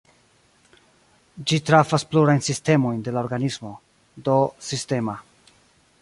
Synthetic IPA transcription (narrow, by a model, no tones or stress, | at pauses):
d͡ʒitɾafaspluɾajnsiste̞mo̞jnde̞lao̞ɾɡanismo̞ | do̞siste̞ma